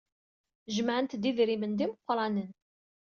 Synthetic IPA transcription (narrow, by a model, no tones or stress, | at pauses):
ʒmʕənt̪d̪iðɾimənd̪iməqʷːɾˤɑnən